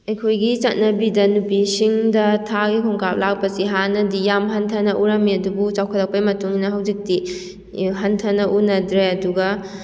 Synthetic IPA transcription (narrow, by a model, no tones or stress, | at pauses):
ɐjkʰojɡit͡ʃɐt̚nɐbidɐnupisiŋdɐtʰaɡikʰɔŋkap̚lak̚pɐsiɦanɐdijamɦɐntʰɐnɐʔuɾɐmːiɐdubut͡ʃawkʰɐɾɐk̚pɐjmɐtuŋnɐɦɐwd͡ʒik̚ti | ɦɐntʰɐnɐʔunɐdɾeɐduɡɐ